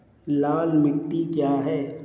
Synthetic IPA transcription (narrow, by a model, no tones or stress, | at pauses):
laːlmɪʈːikjaːɦɛː